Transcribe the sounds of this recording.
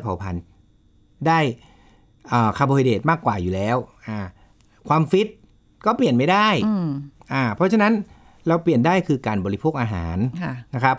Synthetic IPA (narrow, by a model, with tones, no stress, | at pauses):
pʰa˨˦wpʰa˧n | daː˥˩j | ʔɤː˨˩kʰa˧bɔː˧i˧deː˨˩t̪̚maː˥˩kːwaː˨˩juː˨˩lɛː˦˥wʔaː˧˩ | kʰwaː˧mfi˦˥t̪̚ | kɔː˥˩pli˨˩ənma˥˩jdaː˥˩jʔaː˧˩pʰɔ˦˥t͡ɕʰa˧na˦˥n | ɾa˧wpli˨˩əndaː˥˩jkʰɯː˧kaː˧nbɔː˧˩li˦˥pʰoː˥˩k̚ʔaː˧ɦa̰ː˩˦nʰː˧˩a˦˥kʰɾa˦˥p̚